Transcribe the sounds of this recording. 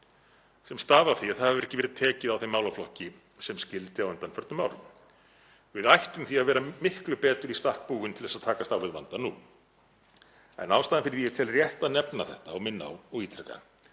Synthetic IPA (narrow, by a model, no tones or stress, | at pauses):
sɛmst̪aːvaθiaθhaavɾɛhcɪɛɾɪðt̪ʰɛːcɪðawθejmaːwlaflɔhcɪ | sɛmscɪlt̪ɪawʏnt̪anfœɾt̪nʏma̰ːwlɪʏ | vɪðajht̪ʏmθiavɛːɾamɪhklʏpɛːt̪ʏɾist̪ahk̚puːɣʏnt̪ʰɪlðɛsaðt̪ʰaːkast̪aːwvɪðva̰nt̪anu | ɛ̰nawst̪aːðɪnfɪɾɪðjɛt̪ʰɪlrjɛht̪aðnɛpnaθɛ̰ht̪aɔɣmɪnːa̰ɔɣiːt̪ʰɾɛka̰